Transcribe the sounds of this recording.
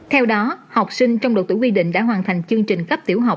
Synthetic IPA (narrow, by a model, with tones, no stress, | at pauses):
t̪ʰɛ˧wɗɔ˨˦ha˨˩wk͡p̚sï˧ŋ̟t͡ɕɔ˧wŋ͡mɗo˨˩t̪ṵ˧˩˦wi˧ɗḭ̈˧˨ŋ̟ɗa̰ː˧˥ɦwaː˨˩nt̪ʰa˨˩jŋ̟t͡ɕɨ˧ŋt͡ɕï˨˩ŋ̟kə˦˥p̚t̪i˧˩əwɦa˨˩wk͡p̚